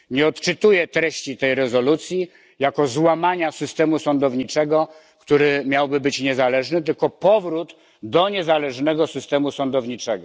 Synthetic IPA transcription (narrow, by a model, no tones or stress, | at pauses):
ɲɛɔt̪t͡ʂɘt̪ujɛt̪ɾɛɕt͡ɕit̪ɛjɾɛzɔlut̪sʲji | jakɔzwamaɲasɘst̪ɛmusɔnd̪ɔvɲit͡ʂɛɡɔ | kt̪uɾɘmʲjawbɘbɘt͡ɕɲɛzalɛʐnɘt̪̬ɘlkɔpɔvɾud̪ | d̪ɔɲɛzalɛʐnɛɡɔsɘst̪ɛmusɔnd̪ɔvɲit͡ʂɛɡɔ